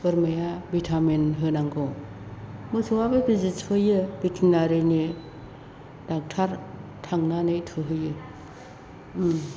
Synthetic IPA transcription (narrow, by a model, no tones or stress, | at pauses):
bɯɾmajabitʰamenɦɯnaŋɡo | mɯsʰɯwabɯbizitɯjɯbitʰinaɾɯne | d̥ak̚tʰaɾtʰaŋnanɯjtʰɯɦɯjɯ